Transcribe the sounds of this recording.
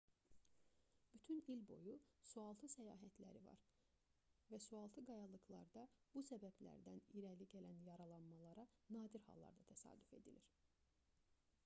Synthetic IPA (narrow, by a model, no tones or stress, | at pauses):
b̥yt̪ʰynilbo̞jusuɑlˠt̪ʰɯsæjɑ̰ːɦæt̪læ̰ɾivɑ̰ɾ | væsuɑlˠt̪ʰɯɡɑjɑlˠɯklˠɑɾd̪ɑb̥usæbæblæ̰ɾd̪æniɾæliɟælænjɑɾɑlˠɑnmɑlˠɑɾɑnɑːd̪iɾhɑ̰lˠːɑ̰ɾd̪ɑt̪ʰæsɑ̰ːd̪yfe̞̰d̪iliɾ